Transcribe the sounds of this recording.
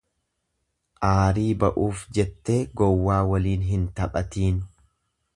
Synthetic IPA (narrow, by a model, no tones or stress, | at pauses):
ʔaːɾiːbɐʔuːfd͡ʒɛt̪ːe̞ːɡɔwːaːwɐliːnɦɪnt̪ɐpʼɐt̪iːn